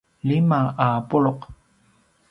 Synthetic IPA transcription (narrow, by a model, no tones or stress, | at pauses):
lɪmaʔaːpʊɭoq